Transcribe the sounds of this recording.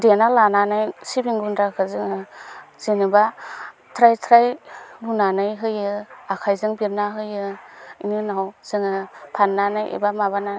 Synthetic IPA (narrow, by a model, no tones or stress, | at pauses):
denalananajsibiŋɡundɾakʰɯzɯŋɯz̥inibatʰɾajtʰɾajlunanɯjɦɯjɯakʰajzɯŋbiɾnaɦɯjɯḭninawz̥ɯŋɯpʰanːanajʔḛbamaβana